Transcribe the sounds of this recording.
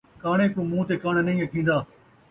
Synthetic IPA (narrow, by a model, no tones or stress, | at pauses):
kaːɳ̃eːkũːmũːt̪eːkaːɳnɐĩəkʰĩːn̆d̪aː